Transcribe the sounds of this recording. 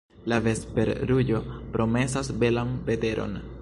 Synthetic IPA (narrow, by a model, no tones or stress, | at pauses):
lave̞spe̞ɾɾuɟo̞pɾo̞me̞sasbe̞lanpe̞te̞ɾʔo̞̰n